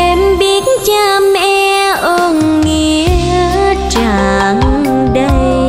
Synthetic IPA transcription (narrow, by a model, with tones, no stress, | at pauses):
e˨˩mɓi˧˦ətt͡ɕaː˧mʔɛ˧ | ʔo˧˩n | ŋi˧˨ | t͡ɕa˧˩˨ŋ | ɗə˧j